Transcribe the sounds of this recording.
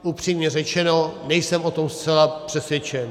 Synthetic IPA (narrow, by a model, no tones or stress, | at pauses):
ʔupr̝̥iːmɲɛrɛt͡ʃɛnonɛjsɛmot̪o̞mst̪t͡sɛlapr̝̥ɛsjɛt͡ʃɛn